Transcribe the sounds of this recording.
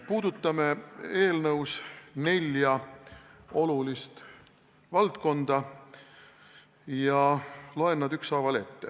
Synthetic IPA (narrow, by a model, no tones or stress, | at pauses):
puːd̪ut̪ːˑɑmee̞ːlnɤwsne̞lʲjɑ | o̞lulist̪ | vɑlt̪ko̞nd̪̥ɑ | jɑloenːɑd̪yksɑvɑle̞t̪ˑːe̞